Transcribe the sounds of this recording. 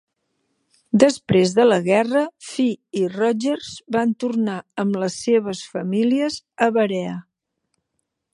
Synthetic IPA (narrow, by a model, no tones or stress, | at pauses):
d̪əspɾezðələɣɛrəfiirɔʒərzbant̪urnaəmləsːeβ̞əsfəmiliəz | əβəɾɛə